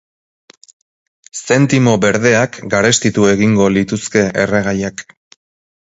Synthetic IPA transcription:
se̞nt̪imo̞be̞ɾðe̞akɡaɾe̞st̪it̪ue̞ɣiŋɡo̞lit̪uske̞ʔḛre̞ɣajak

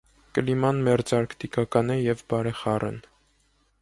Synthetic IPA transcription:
kəlimɑnmɛɾd͡zɑɾkt̪ikɑkɑnɛjɛvbɑɾɛχɑrʔɛ̰n

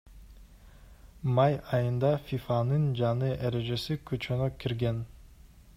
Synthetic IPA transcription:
mɑjɑjɯnd̪ɑfʲifɑnɯnd͡ʒɑnɯʔeɾe̞ʒe̞sikʰøt͡ʃønøkʰiɾɡe̞n

